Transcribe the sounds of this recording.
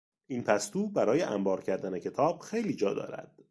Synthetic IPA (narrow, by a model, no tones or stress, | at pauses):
ʔiːnpʰæst̪uːbæɾɒːje̞ʔæmbɒːɾcʰæɾd̪æne̞cʰe̞t̪ʰɒːb̥xe̞jliːd͡ʒɒːd̪ɒ̰ːɾæ̰d̪̥